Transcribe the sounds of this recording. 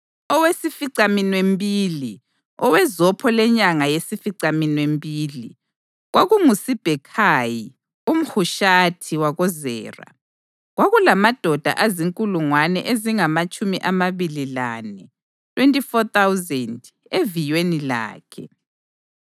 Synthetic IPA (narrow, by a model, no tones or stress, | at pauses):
ɔwesifiǀaminwembʼiːli | ɔwɛzɔpʰɔlɛɲaŋajesifiǀaminwembʼiːlḭ | ɣwʔaɣuŋusib̥ʱɛkʰaji | um̩xuʃatʰiwaɣɔzɛ̰ːra̰ | ɣwaɣulamad̥ʱɔd̥ʱa̰ʔaziŋkʼuluŋwanɛʔeziŋamat͡ʃʼumiʔamaβililanɛ | tʰwentʼifɔt̪awzɛnd | evijwenila̰ːkʰɛ̰